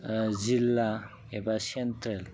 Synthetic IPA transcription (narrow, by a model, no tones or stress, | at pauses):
d͡ʑilːa | ebasent̪ɾel